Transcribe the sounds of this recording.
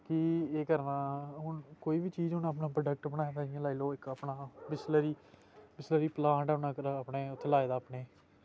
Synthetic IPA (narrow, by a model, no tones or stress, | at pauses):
kɪeːkəɾnãːɦʊnkoːiːbiːt͡ʃiːzɦʊnap̬nãːpɾɖək̚ʈbənaːjːd̪aːɪjãlaːiːloːɪkəpɳaːbɪsləɾiː | bɪsləɾiːpəlãːɳʈəʊnãːkəɾəpneːʊt̪ʰːlaːeːd̪aːpɳeː